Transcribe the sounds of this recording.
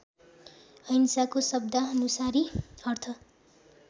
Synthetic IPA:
ʌjnsakosʌbd̪aʌnusaɾiʌrt̪ʰʌ

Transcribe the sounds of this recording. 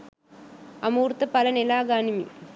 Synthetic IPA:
ɐmuːɾt̪ːɐpɐlɐnɛlaːɡaːnɪmḭ

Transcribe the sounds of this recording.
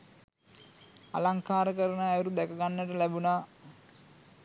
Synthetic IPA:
a̰laŋkaːɾəkəɾənəːjuɾud̪ɛkəɡanːəʈəlæbunaː

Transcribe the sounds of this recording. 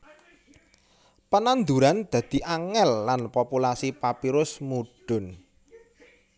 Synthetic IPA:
pənand̪uɾand̪̥ä̤d̪̥i̤ʔaŋɛlːanpopulasipapiɾʊsmuɖ̥ʊ̤n

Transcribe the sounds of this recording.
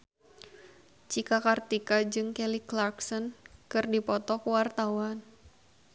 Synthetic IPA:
t͡ʃikakart̪ikad͡ʒɨŋkɛliklarksɔnkɨrdipɔt̪ɔkuwart̪awan

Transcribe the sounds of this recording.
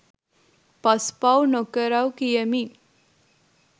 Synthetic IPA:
pɐspawnokəɾawkijəmi

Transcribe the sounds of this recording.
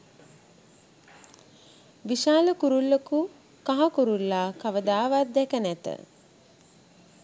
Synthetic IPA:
ʋiʃaːləkuɾulːəku | kaɦakuɾulːaːkaʋəd̪aːʋat̪̚d̪ɛkənæt̪ə̰

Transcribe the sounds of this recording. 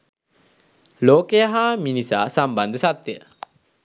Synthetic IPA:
loːkejaɦaːminisa̰ːsamband̪əsat̪jə

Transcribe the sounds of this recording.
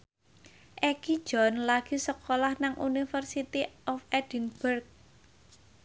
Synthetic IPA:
ʔɛki̥d͡ʒ̥ɔnlaɡ̥i̤səkolahnaŋʔunifərsit̪iʔɔfɛd̥inb̥ərk̚

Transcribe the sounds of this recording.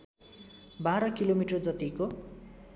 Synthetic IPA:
baɾʌkilomiʈʌd͡zʌt̪iko

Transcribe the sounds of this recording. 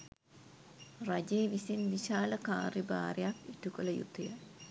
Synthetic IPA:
rad͡ʒeːʋisinʋiʃaːləka̰ːɾiba̰ːɾjakiʈukolɐjṵt̪ɐjə

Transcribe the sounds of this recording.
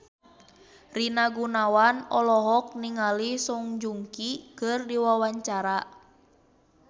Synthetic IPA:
rinaɡunawanɔlɔɦɔk̚niŋalisuŋd͡ʒuŋkikɨrdiwawaɲt͡ʃaɾa

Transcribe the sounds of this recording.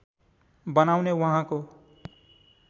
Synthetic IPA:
bʌnawnewʌɦãko

